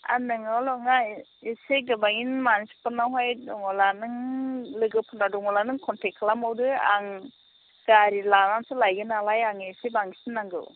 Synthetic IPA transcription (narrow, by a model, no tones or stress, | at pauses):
a̰nɯŋalɔŋaiseɡɯbajinmansi̥pɯnawɦajdɔŋɔlanɯŋlɯɡɯpʰunadɔŋɔlanɯŋkʰɔntekʰlamawdɯa̰ŋ | ɡ̥aɾilanansʰɯlajɡɯnalajaŋesebaŋisinːaŋɡɯ̰w